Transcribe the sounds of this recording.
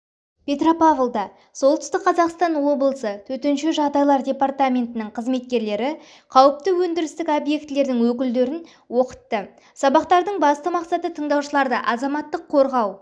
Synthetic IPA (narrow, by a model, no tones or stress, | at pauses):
pʰʲe̞t̪ropavlˠd̪ɑ | so̞lˠt̪ʏ̥st̪ɪk̚qʰːɑzɑqst̪ɑnwo̞bəlˠəsət̪ʰɵt̪enʃeʒɑʁd̪ɑjlˠɑɾdʲe̞pɑrt̪amʲe̞nt̪ɪnɪɴqʰəzme̞t̪̚kʲe̞ɾle̞ɾɪ | qʰɑwəp̚t̪əwɵnd̪ɪɾɪst̪ɪkobje̞kt̪le̞ɾd̪ɪŋwɵk̬ʲɪld̪e̞ɾɪn | wo̞qə̥t̪ːə | sɑbɑqt̪ɑɾd̪əɴbɑst̪əmɑqsɑt̪ət̪ʰəɴd̪ɑwʃəlˠɑɾd̪əʔɑzɑmɑt̪ːəqʰːo̞ɾʁɑw